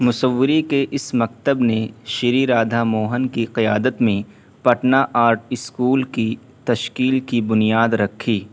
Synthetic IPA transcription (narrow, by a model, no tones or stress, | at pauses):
mʊsəʋːɪɾikeʔɪsmɐk̚t̪əbneʃɪɾiɾaːd̪ʱamoːɦənkiqɪjaːd̪ət̪mẽ | pɐʈnaʔaːɾʈɪskuːlki | t̪ɐʃkiːlkibʊnijaːd̪ɾɐkʰːiː